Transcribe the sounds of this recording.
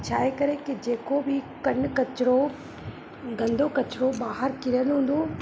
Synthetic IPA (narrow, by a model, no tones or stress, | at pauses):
t͡ʃʰaːɦekɐɾekid͡ʑeːkobɪkɐɳkɐt͡ʃɾo | ɡɐ̃nd̪ʱokɐt͡ʃɾoɓaːɦəɾkɪɾəlɦũːn̆d̪oː